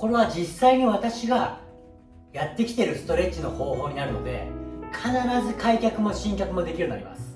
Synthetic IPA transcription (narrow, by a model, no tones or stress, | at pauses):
ko̞ɾe̞βad͡ʑisːaiɲ̟iβat̪aɕiɡa | jat̪ːe̞kʲi̥t̪e̞ɾɯ̟sɨ̥t̪o̞ɾe̞t͡ɕino̞ho̞ːho̞ːɲ̟inaɾɯ̟no̞̰d̪e̞̰kʰanaɾazɨkaikʲakɯ̟mo̞ɕĩŋkʲakɯ̟mo̞d̪e̞kʲiɾɯnːaɾʲḭma̰sɨ̥